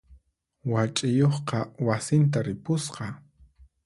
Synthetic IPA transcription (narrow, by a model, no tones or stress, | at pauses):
wat͡ʃʼɪjoχqɑwasɪnt̪̬aɾɪpʊsqɑ